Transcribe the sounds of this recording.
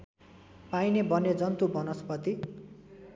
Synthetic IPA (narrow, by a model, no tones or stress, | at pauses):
painebʌned͡zʌnt̪ubʱʌnʌspʌt̪i